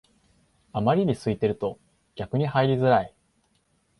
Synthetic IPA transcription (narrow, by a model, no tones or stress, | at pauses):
amaɾʲiɲ̟isɨit̪e̞ɾɯ̟t̪o̞ | ɡʲakɯ̟ɲ̟ihaiɾʲizɨɾai